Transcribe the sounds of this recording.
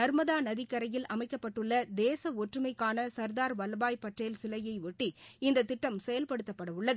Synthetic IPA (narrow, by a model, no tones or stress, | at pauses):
nɐɾmɐðaːnɐðɪkːɐɾɐjɪlʔɐmɐɪkːɐpːɐʈːɯɭːɐd̪eːsɐɔʈrɯmɐɪkːaːnɐsɐɾd̪aːɾʋɐlɐbaːjpːɐʈreːlsɪlɐjɐɪʋɔʈːiɪnd̪ɐt̪ːɪʈːɐmsɛjɐlpɐɽɯt̪ːɐpːɐɽɐʋʊɭːɐðɯ